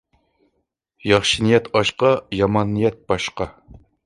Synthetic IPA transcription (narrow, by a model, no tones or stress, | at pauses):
jɑχʃinijɛt̪ʰɑʃqɑjɑmɑnːɨjɛt̪̚b̥ɑʃqɑ